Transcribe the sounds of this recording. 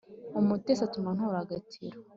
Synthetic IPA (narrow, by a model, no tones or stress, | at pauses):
umutesatumanhuɾaɡatḭɾo